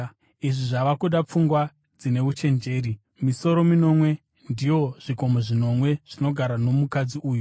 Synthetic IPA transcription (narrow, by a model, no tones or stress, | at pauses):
iʐiʐaʋakuɗap͡fuŋɡwa | d͡zine̞ut͡ʃe̞nd͡ʒe̞ːɾi | miso̞ɾo̞mino̞mwe̞ | ndijo̞ʐ̥iko̞moʐino̞mwe̞ʐ̥ino̞ɡʱaɾano̞mukad͡ziuːju